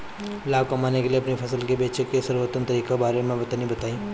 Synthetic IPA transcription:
laːkomaːnekelieɐpnipʰɐsəlkebeːt͡ʃəkesɐɾʋot̪ənt̪ɐɾiːkebaːɾemẽbɐt̪anibɐt̪aːĩː

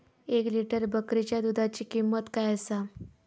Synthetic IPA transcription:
ekliʈəɾbəkɾit͡ɕjad̪ud̪ʱat͡ɕiːkimːət̪kajəsa

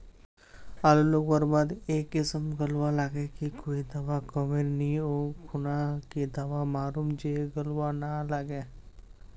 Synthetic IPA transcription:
aːloloːɡbəɾbad̪eːkːɪsəmɡəlwalaːɡekikoːid̪ɐʋakɔmeɾnioːkʰʊnakid̪əʋamaːɾuːmd͡ʒeːɡəlwanalaɡeː

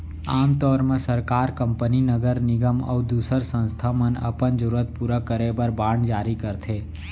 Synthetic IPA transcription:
aːmt̪ɔːɾmẽsəɾkaːɾkə̃mpəninəɡəɾnɪɡəmə̰ud̪uːsəɾsə̃nst̪ʰamənə̰pənd͡ʒʊɾət̪̚puɾəkəɾebəɾbaːɳɖd͡ʒaːɾikəɾt̪ʰeː

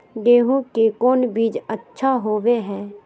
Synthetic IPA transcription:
ɡeːɦũkekɔːnbiːd͡ʒətːʃʰaɦoːʋeɦɛː

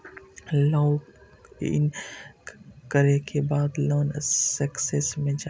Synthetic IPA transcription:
laːw | ɪ̰n | kəɾekebaːd̪loːnsəksesmẽd͡ʒa

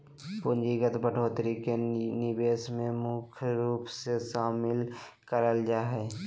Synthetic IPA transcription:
pʊnd͡ʒiɡət̪bəʈʰoːt̪ɾikenɪbeːsmẽmʊkʰjɾuːpsesaːmɪl | kəɾəld͡ʒaːɦɛː

